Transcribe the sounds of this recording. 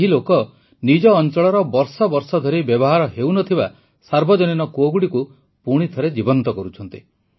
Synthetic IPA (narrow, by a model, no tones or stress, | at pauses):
ɦilokɔ | nid͡ʒɔːnt͡ʃɔɭɔɾɔbɔɾsɔbɔɾsɔd̪ʱɔɾibjɔbɔɦaɾɔɦewnɔt̪ʰiba | saɾbɔd͡ʒɔninɔkoɡuɽiku | puɽ̃it̪ʰɔɾed͡ʒibɔnt̪ɔkɔɾut͡ʃʰɔnt̪i